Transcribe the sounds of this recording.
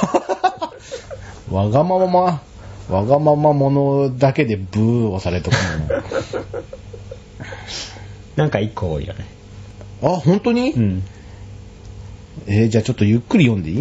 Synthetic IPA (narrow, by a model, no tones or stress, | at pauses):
βaɡamamama | βaɡamamamo̞no̞d̪ake̞d̪e̞bɯ̟ːosaɾe̞t̪okoono | nãŋkaikːoo̰ḭjo̰ne | ahõ̞nt̪o̞ɲ̟i | ed͡ʑaːt͡ɕo̞t̪ːojɯ̟kːɯ̟ɾʲijõ̞nd̪e̞i